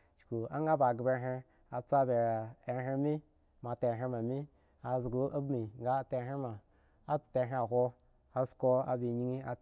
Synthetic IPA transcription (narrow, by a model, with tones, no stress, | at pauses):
t͡ʃku˨a̰˦ŋ˦ɡa˦ba˨ɡbe˧˦ɦe˧ | a˨t͡sʷa˦be˨e˨˦ɦe˦˧˦mi˦ | ma˨te˧˨ɦe˧ma˨mi˦ | a˨zɡu˦ʔa˦bmi˨ŋ˦ɡa˦te˧˦ɦe˦ma˨ | a˦tte˧˨ɦe˦a˨ɦʷo˧ | a˨sko˧a̰˨bi˨ɲi˦ŋi˦a̰˧